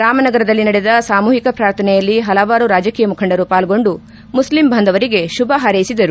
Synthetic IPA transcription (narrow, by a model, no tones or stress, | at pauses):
ɾaːmɐnɐɡɐɾɐd̪ɐlːinɐɽed̪ɐsaːmuːɦikɐpɾaːɾt̪ʰɐnɛjɐlːiɦɐlɐʋaːɾuɾaːd͡ʒɐkiːjɐmukʰɐɳɖɐɾupaːlɡo̞ɳɖu | muslimbʱɐnd̪ʱɐʋɐɾiɡe̞ʃubɐɦɐɾɐjisid̪ɐɾu